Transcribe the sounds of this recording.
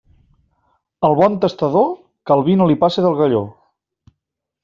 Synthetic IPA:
əlˠβɔnt̪əst̪əðo | kəlˠβinolipaseðəlˠɣəʎo

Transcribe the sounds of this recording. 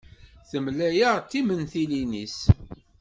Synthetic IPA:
θəmlæjəʁt̪ːimənθilinis

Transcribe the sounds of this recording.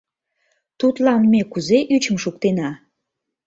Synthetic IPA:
t̪ut̪lɑnmekuzeʔyt͡ɕəmʃukt̪enɑ

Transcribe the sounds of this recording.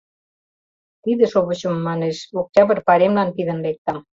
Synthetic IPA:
t̪id̪ĕʃoβə̆t͡ɕə̆mːɑneʃok̚tʲɑβə̆rpɑɾemlɑnt̪iðə̆nlek̚t̪ɑm

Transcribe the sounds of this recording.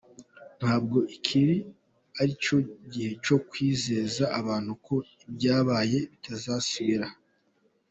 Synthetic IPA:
n̥haːb̚ɡo̞ʔikʰiɾi | aɾit͡ʃo̞ɟihe̞t͡ʃo̞kwiːze̞ːzaaβaːn̥hukʰo̞ibɟaːβaːje̞βitazaːsiβiɾa

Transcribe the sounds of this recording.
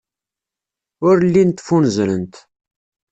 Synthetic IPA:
ʊɾlːint̪ːfunzɾənt̪

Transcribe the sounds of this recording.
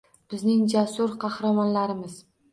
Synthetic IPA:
b̥ɪznɪŋd͡ʒasʊɾqʰɑhɾamɒnlaɾɪmɪz̥

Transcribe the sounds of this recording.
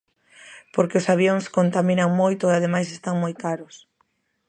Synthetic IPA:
poɾkeʊsaβ̞joŋskont̪aminaŋmojt̪oeaðemajs̬est̪aŋmojkaɾʊs

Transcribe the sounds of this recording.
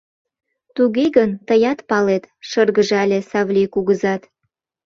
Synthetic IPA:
t̪uɣeɣənt̪əjɑt̪pɑlet̪ʃɤrɣəʒɑlʲesɑβlʲikuɣəzɑt̪

